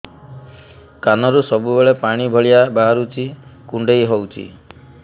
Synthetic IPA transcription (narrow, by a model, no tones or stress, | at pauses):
kanɔɾusɔbubeɭepaɽ̃ibʱɔɭijabaɦaɾut͡ʃʰikuɳɖejɦɔwt͡ʃʰḭ